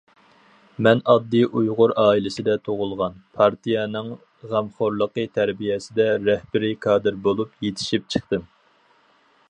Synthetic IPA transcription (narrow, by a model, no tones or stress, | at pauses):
mɛnɑd̪ːiʔujʁʊɾɑːilɪsɪd̪ɛt̪ʰoʁʊlˠʁɑnpʰɑɾt̪ʰijɛnɨŋ | ʁæmχoɾlˠəqət̪ʰæɾbijɛsɪd̪ɛɾɛhbɪɾɪkʰɑːd̪ɨɾbolˠupjet̪ʰɪ̥ʃip̚t͡ʃʰəχt̪ɨm